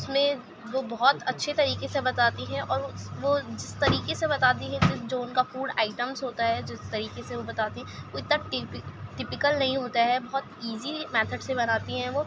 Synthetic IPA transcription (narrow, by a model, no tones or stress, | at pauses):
ʊsmẽ | ʋobɔɦt̪ɐtːʃʰet̪ɐɾiːkesebɐt̪aːt̪iɦɛ̃ʔɔːɾʋod͡ʒɪst̪ɐɾiːkesebɐt̪aːt̪iɦɛ̃kid͡ʒoːʊnkafuːɖa̰ːɪʈəmzɦoːt̪aɦɛd͡ʒɪst̪ɐɾiːkeseʋobɐt̪aːt̪iɦɛ̃ʋoɪt̪naʈɪpɪʈɪpɪkəlnɐɦĩɦoːt̪aɦɛbɔɦɔt̪iːzimɛːt̪ʰəɖsebɐnaːt̪iɦɛ̃ʋoː